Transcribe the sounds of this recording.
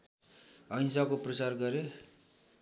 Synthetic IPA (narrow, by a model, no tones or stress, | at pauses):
ʌjnsakoprʌt͡sarɡʌɾe